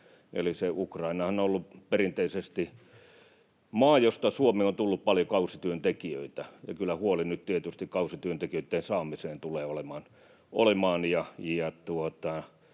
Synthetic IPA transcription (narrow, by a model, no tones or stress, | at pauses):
ḛliseukrɑinɑhɑnoolːuperint̪eisest̪i | mɑːjost̪ɑsuomeont̪ulːuppɑljokɑusit̪yønt̪ekiø̰it̪æjɑ̰kylːæhuolinytt̪iet̪yst̪ikkɑusit̪yønt̪ekijøit̪ːensɑːmiseːnt̪uleːolemɑːn | ʔo̰lemɑːnjɑjɑt̪uot̪ɑ